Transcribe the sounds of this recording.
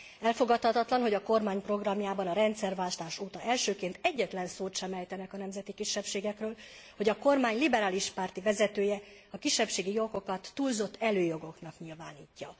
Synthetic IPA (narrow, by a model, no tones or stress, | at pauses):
ɛlfo̞ɡɒt̪hɒt̪ɒt̪lɒnɦo̞ɟɒko̞rmaːɲpro̞ɡrɒmjaːbɒnɒɾɛnt̪sɛrvaːʃt̪aːʃoːt̪ɒʔɛlʃøːkeːnt̪ɛɟːɛt̪lɛnsoːt̪ʃɛmɛjt̪ɛnɛkɒnɛmzɛt̪ikiʃːɛpʃeːɡɛkrøːl | ho̞ɟɒko̞rmaːɲlibɛɾaːliʃpaːrt̪ivɛzɛt̪øːjɛɒkiʃːɛpʃeːɡijo̞ko̞kɒt̪ːuːlzo̞t̪ːɛløːjo̞ɡo̞knɒkɲilvaːniːcːɒ